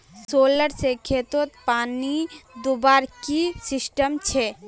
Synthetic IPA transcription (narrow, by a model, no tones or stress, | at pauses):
soːləɾsekʰeːt̪ot̪paːnid̪ubaːɾkisɪsʈəmt͡ʃʰɛ